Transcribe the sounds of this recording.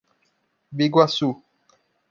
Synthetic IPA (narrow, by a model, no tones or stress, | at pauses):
beɡwasu